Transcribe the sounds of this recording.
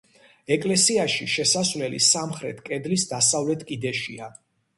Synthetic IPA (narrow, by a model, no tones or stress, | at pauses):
ɛkʼlɛsiaʃiʃɛsasvlɛlḭsamχɾɛ̰t̪ʰkʼɛd̪lisd̪asavlɛt̪ʰkʼid̪ɛʃḭa